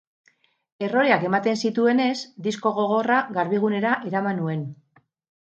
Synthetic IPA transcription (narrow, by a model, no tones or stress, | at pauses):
e̞ro̞ɾeake̞mat̪e̞nsit̪ue̞ne̞zd̪isko̞ɣo̞ɣ̞o̞raɣaɾβiɣ̞une̞ɾaʔe̞ɾamanue̞n